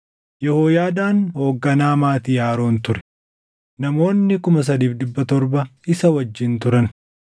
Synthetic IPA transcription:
jɛhoːjaːd̪aːnho̞ːɡːɐnaːmaːt̪iːjaːɾo̞ːnt̪ʊɾɛ̥ | nɐmo̞ːnːɪkʊmɐs̬ɐd̪iːfd̪ʊbːɐt̪ɔɾbɐɪsɐwɐd͡ʒːɪnt̪ʊɾɐn

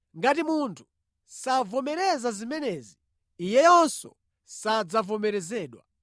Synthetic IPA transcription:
ŋɡatimuntʰu̥ | savɔmɛɾɛzazimɛnɛzi | ijɛjɔnsɔ̰ | sad͡zavɔmɛɾɛzɛːɗwa̰

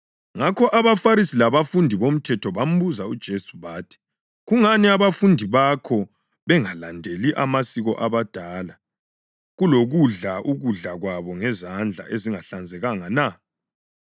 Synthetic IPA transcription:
ŋakʰɔʔaβafaɾisilaβafundʱiβom̩tʰɛtʰɔβam̩βuzaud̥ʒ̥ʱesu̥βaːtʰi̥ | ɣuŋanɛaβafundʱiβakʰɔ | βɛŋalandʱeliʔamasiɣɔ̰ʔaβad̥ʱaːla | ɣuloɣuɮaʔuɣuɮaɣwaβɔŋɛzand͡ɮʱa̰ʔeziŋaɬand͡zʱɛɣaŋana

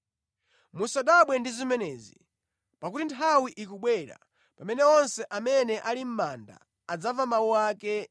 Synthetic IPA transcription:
musaɗaɓwɛndizimɛnɛːzḭ | pakutintʰawiʔikuɓwɛɾa̰ | pamɛnɛɔnsɛʔamɛnɛʔalim̩manda̰ː | d͡zavamawuwakɛ

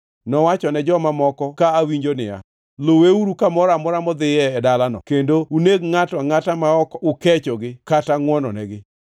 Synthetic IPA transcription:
nɔwat͡ʃɔnɛd͡ʒɔmamɔkɔkaːwiɲd͡ʒonɪja̰ | loweuɾukamɔɾamɔɾamɔd̪ɪjɛːdalanɔ̰kendouneɡŋatwaŋatamaɔkʊket͡ʃɔɡɪkataŋwɔnɔ̰nɛɡɪ

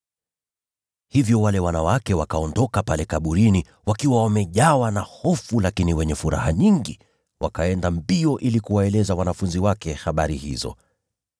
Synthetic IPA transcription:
hivjɔwalɛwanawakɛwakaɔndɔkapalɛkaɓuɾini | wakiwawamɛʄawanahɔfulakiniwɛɲɛfuɾa̰haɲiŋɡi | wʔa̰kaɛndambiɔʔilikuwaɛlɛzawanafunziwakɛhaɓaɾḭhḭzɔ̰

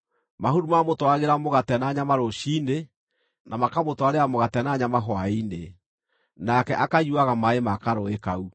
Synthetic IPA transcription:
maɦuɾumamotwaɣeɾamoɣatɛnaɲamaɾoɕiːne | namakamotwaɾeamoɣatɛnaɲamaɦɔaine | nakɛʔakajuaɣamaemakaɾoekau

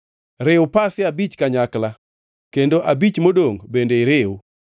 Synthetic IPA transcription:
ɾɪwpasɪabit͡ʃkaɲakla | kendoʔabit͡ʃmodoŋbendeɪɾɪw

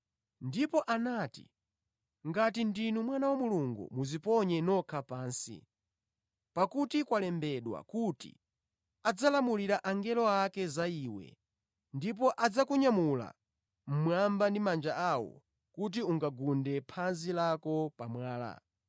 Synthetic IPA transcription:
ndipɔʔanatḭ | ŋɡatindinumwanawamuluŋɡṵmuzipɔɲɛnɔkʰapaːnsḭ | pakutikwalɛmbɛɗwa̰kutḭ | ad͡zalamuliɾaʔaŋɡɛlɔakɛzaiːwɛ̰ | ndip̬ɔʔad͡zakuɲamula̰ | m̩mwambandimand͡ʒaawɔ̰ | kut̬iuŋɡaɡundɛpʰanzilakɔpamwaːla̰

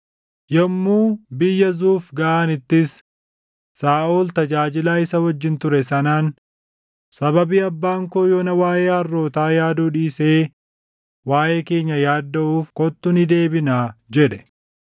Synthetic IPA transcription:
jɔmːuːbɪjːɐzuːfɡɐʔaːnɪt̪ːɪsː | aːʔoːlt̪ɐd͡ʒaːd͡ʒɪlaːɪsɐwɔd͡ʒːɪnt̪ʊɾɛsɐnaːn | sɐbɐbiːɐbːaːŋkoːjoːnɐwaːjeːhɐrːo̞ːt̪aːjaːd̪uːᶑiːseː | waːʔeːke̞ːɲːɐjaːd̪ːɐuːfkɔt̪ːʊnɪd̪e̞ːbɪnaːd͡ʒɛᶑɛ̥

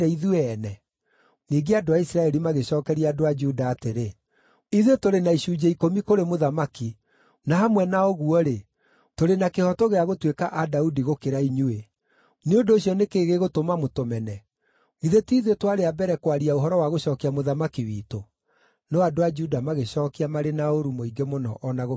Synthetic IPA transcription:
ɛiðueːnɛ | niɡeadoaisɾaɛɾimaɣeɕɔːkɛɾiadoad͡ʒudaːteɾe | iðwetoɾenaiɕuːd͡ʑaikomikoɾemoðamaki | naɦamwɛnaɔɣuɔɾe | toɾenakehɔtoɣeaɣotwekaʔadaudiɣokeɾaiɲue | neondoːɕjɔnekeːɣeɣotomamotomɛnɛ | ɣiðetiːðetwaɾeabɛɾɛkwaɾiaoɦɔɾɔwaɣoɕɔːkiamoðamakiwiːto | noadoad͡ʒudamaɣeɕɔːkiamaɾenaoɾumoiŋɡemonɔ̰ʔɔnaɣ

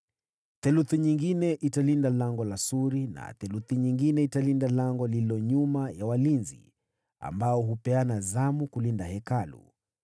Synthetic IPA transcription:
θɛluθiɲiŋɡinɛʔitalindalaŋɡɔlasuɾina̰θɛluθiɲiŋɡinɛitalindalaŋɡɔlilɔɲumajawalinzḭ | a̰mbaɔɦupɛanazamukulindahɛkalṵ

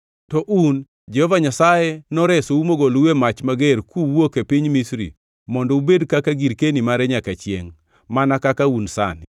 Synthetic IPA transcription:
tɔʔun | d͡ʒɛhɔvaɲasajenɔɾɛsoumoɡoluwemat͡ʃmaɡeɾkuwokepiɲmisɾḭ | mɔndɔubedkakaɡiɾkenimaɾɛɲakat͡ʃɪḛŋ | manakakaunsa̰n

